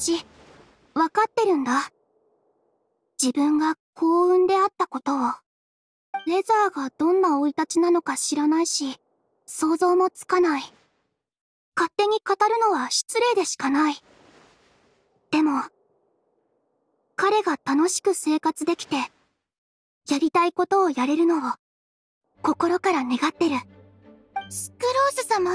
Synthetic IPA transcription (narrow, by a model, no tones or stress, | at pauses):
ɕi | βakat̪ːe̞ɾɯ̟̃nd̪a | d͡ʑibɯ̟̃ŋɡakʰo̞ːɯ̟̃nd̪e̞at̪ːako̞t̪o̞ | ɾe̞zaːɡad̪̥õ̞nːao̞it̪at͡ɕinano̞kaɕiɾanaiɕi | so̞ːzo̞ːmo̞t͡sɨ̥kanai | kat̪ːe̞ɲ̟ikat̪aɾɯ̟no̞βaɕi̥t͡sɨɾe̞ːd̪e̞ɕi̥kanai | d̪̥e̞mo̞ | kaɾe̞ɡat̪ano̞ɕi̥kɯ̟se̞ːkat͡sɨd̪e̞kʲi̥t̪e̞ | jaɾʲit̪aiko̞t̪o̞ːjaɾe̞ɾɯ̟no̞βa | ko̞ko̞ɾo̞kaɾane̞ɡat̪ːe̞ɾɯ̟ | ɕɨ̥kɯ̟ɾo̞ːsɨsama